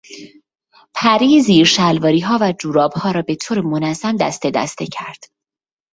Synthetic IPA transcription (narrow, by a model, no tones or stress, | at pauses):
pʰæɾiziːɾʃælvɒːɾiːɦɒːvæd͡ʒuːɾɒːbhɒːɾɒːbe̞t̪ʰoːɾemonæzæmd̪æ̰st̪e̞d̪æ̰st̪ecʰæɾd̪̥